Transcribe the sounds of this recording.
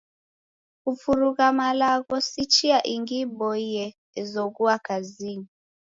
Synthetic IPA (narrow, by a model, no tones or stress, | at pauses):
kufuɾuɣamalaɣɔsit͡ʃiaʔiŋɡibɔiɛ | ɛzɔɣuakazini